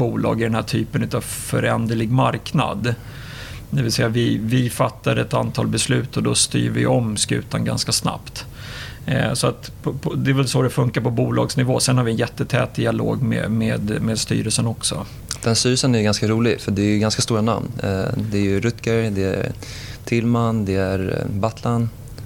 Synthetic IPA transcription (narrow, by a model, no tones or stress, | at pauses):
buːlɑ̰ːɡɪɖɛnhæːʈʰyːpənʉ̟ːt̪avfœ̰ɾɛnd̪əɭɪɡmaɾkna̰d̪ | d̪ɛvɪlsɛjːavɪvɪfat̪ːad̪ɛt̪ant̪ʰɑːlbɛslʉ̟ːt̪ɔd̪ɔst̪y̰ːɾvɪɔmskʉ̟ːt̪anɡa̰nskasna̰pt̪ | sɔat̪ | pʰɔpʰɔd̪ɛːɾvɛlsɔd̪ɛfɵŋkaɾpʰɔbuːlɑːɡsnɪvoːsɛnhaɾvɪɛnjɛt̪ːət̪ʰɛ̰ːt̪̚d̪ɪalo̰ːɡmḛːmeːd̪meːd̪st̪y̰ːɾəlsənɔksɔ̰ | d̪̥ɛnst̪yːɾəsənæjɡanskaɾuːlɪɡfœɖɛæjɵɡanskast̪uːɾana̰mnd̪ɛæɾjɵɾɵt̪kəɾd̪ɛæ | t̪ʰɪlmand̪ɛæɾbat̪ʰlan